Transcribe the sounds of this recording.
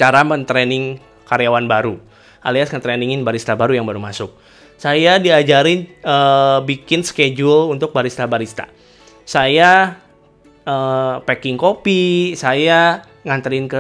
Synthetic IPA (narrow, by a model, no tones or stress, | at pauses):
t͡ʃaɾamənt̪ɾɛnɪŋ | kaɾjawanbaɾu | ʔaliasŋət̪ɾɛniŋɪnbaɾist̪abaɾujaŋbaɾumasʊk̚ | sajadiad͡ʒaɾɪnəbikɪnsə̥ked͡ʒulunt̪ʊk̚baɾist̪abaɾist̪a̰ | saja | əpɛkɪŋkopisaja | ŋant̪ɾɪnkə